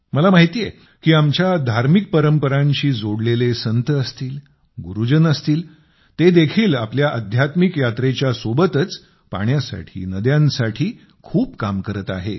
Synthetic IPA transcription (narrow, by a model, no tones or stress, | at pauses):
məlamaɦit̪ije | kiːamt͡ɕjad̪ʱaɾmik̚pəɾəmpəɾãɲɕiːd͡zoɽlelesənt̪əəst̪iːl | ɡuɾud͡ʑənəst̪iːl | t̪ed̪ekʰiːlapljaʔəd̪ʱjat̪mikjat̪ɾet͡ɕjasobət̪ət͡s | pa̰ɳjasa̰ʈʰḭːnəd̪jãnsaʈʰiː | kʰuːpkamkəɾət̪a̰ɦe